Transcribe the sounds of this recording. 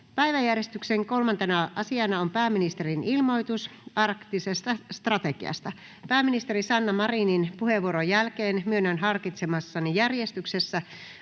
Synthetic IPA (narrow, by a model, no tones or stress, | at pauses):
pæjʋæjærjest̪ykseŋko̞lmɑnt̪enɑʔɑsiɑnɑompæːminist̪erinilmo̞jt̪usɑrkt̪isest̪ɑst̪rɑt̪ekiɑ̰st̪ɑ | pæːmːinist̪eɾisɑnːɑmɑrininpuheʋːuoɾojælkeːnmyønːønɦɑrkit̪semɑsːɑnijærjest̪yksesːæ